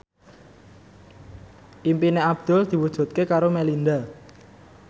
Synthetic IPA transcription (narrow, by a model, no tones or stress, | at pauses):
ʔimpineab̚d̪̥ʊ̤ld̪̥i̤wud̥ʒ̥ṳt̪̚kekaɾomɛlind̪a